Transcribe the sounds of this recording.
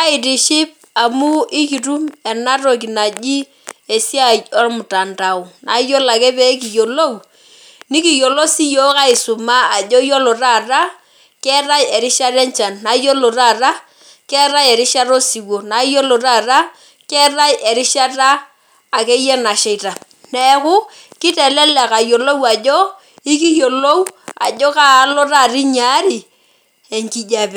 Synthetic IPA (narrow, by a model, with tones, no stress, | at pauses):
a˦ɪ˨di˨ʃɪ˦p̚ | a˨mu˦i˦ki˨ɾu˦mɛ˨na˦ɾo˨k̬i˨na˨d͡ʒi˦ | e˨si˦a˨ɔ˦ɾmʊ˨ta˨nta˨ʊ˨na˨˦jo˦la˨kɛ˦pe˦k̬i˨jo˨lo˦˨w | ni˦ki˨jo˨lo˦si˦jo˦ka˦ɪ˨su˨maː˦˨d͡ʒo˦jo˦lo˨ɾa˦˨ra˦ | kɛ˦ɾa˦jɛ˨ɾi˦ʃa˦ɾɛ˦nt͡ʃa˨nːa˨˦jo˦lo˨ɾa˦˨ɾa˦ | kɛ˦ɾa˦jɛ˨ɾi˦ʃa˦ɾo˦si˨wo˨na˨˦jo˦lo˨ɾa˦˨ɾa˦ | kɛ˦ɾa˦jʔe˨ɾi˦ʃa˦taː˦˨ | ke˦jɛ˦na˨ʃe˦jta˨ | nɛ˨˦kʊ˦ | ki˦tɛ˨lɛ˦lɛ˨ka˨jo˨lo˦wa˨d͡ʒo˦ | i˦ki˦jo˨lo˦wa̰˨d͡ʒo˦ka˦˨˦lo˦ra˦˨ɾi˦ɲa˨˦ɾi˨ | e˨ŋki˨d͡ʒa˦pɛ˨